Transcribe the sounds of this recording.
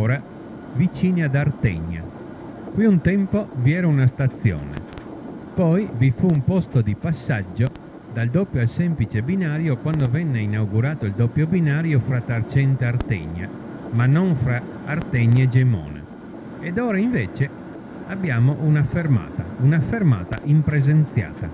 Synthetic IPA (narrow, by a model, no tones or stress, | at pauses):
ɾa | vit͡ʃiːniad̪aɾt̪ɛ̰ɲːa̰ | kwiunt̪ɛmpoviɛːɾaunast̪at̪sːjɔ̰ːnɛ̰ | pɔjvifuːmpɔst̪od̪ipasːad͡ʒːo | d̪ald̪opːjoalsɛmplit͡ʃebinaːɾjokwand̪ovɛnːeinawɡuɾaːt̪oild̪opːjobinaːɾjofɾat̪ːaɾt͡ʃɛnt̪eaɾt̪ɛ̰ɲːa̰ | manːɔnfɾaː | ɾt̪ɛɲːaɛd͡ʒɛmɔ̰ːna̰ | ɛd̪ɔːɾaiɱvɛːt͡ʃɛ | abːjaːmoʔunafeɾma̰ːt̪a̰unafeɾma̰ːt̪a̰ʔimpɾɛzent̪sja̰ːt̪a